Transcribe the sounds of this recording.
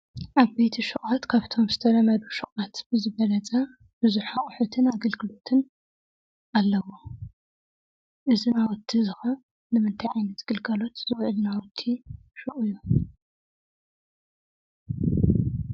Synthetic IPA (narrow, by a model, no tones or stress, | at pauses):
ʔaβbejt̪ʰiʃɨχʼat̪kʰaβt̪ʰo̞mzɨt̪ʰɐɾɐmɐd̪uʃɨχʼat̪b̥ɨzɨβɐlɐt͡sʼɐ | b̥ɨzuħaχʼħut̪ʰɨnaɡɐlɡɨlo̞t̪ʰɨn | ʔalːɐwo | ʔɨzinawɔt̪ʰːizɨxɐ | nɨmɨnt̪ʰajʕajnɐt̪ɡ̥ɨlɡɐlo̞t̪zɨwʕlnawɔt̪ʰːi | ʃɨʔʼɨjːu